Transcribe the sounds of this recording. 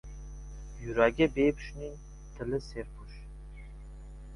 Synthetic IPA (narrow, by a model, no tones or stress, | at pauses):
jyɾaɡʲɛbeːpy̥ʃnin | t̪ʰɨlɨseɾpʰuʃ